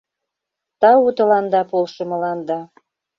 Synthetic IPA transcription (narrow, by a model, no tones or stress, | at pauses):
t̪ɑut̪ə̆lɑnd̪ɑpolʃɤ̆mɤ̆lɑnd̪ɑ